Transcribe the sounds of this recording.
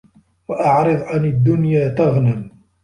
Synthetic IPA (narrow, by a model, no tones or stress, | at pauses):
waʔɑʕɾɨðˤʕanad̪ːʊnjaːt̪aɣnam